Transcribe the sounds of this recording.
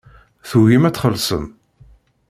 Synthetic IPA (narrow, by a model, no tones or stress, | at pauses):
θuɦimæt͡sːχəlsə̰m